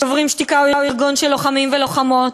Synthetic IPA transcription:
ovʁimʃt̪ikauiuiʁɡunʃelːo̞χamimvelo̞χamo̞t

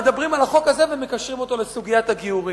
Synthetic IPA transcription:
ed̪abʁimalaχo̞kaze̞veme̞kaʃʁimo̞t̪o̞le̞suɡijataɡiuʁi

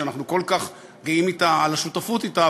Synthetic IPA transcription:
anaχnuko̞lkaχ | ɡiimit̪aalaʃutafut̪ita

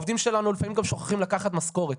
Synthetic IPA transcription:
vd̪imʃe̞lanulifamimɡamʃo̞χḁχimlakaχat̪masko̞ʁet̪

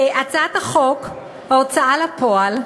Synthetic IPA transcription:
ʔat͡sat̪aχok | haot͡saʔalapoal

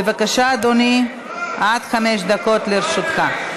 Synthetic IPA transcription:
evakaʃaːd̪oni | ʔad̪χameʃ̬d̪ako̞t̪leɾʃut̪χa

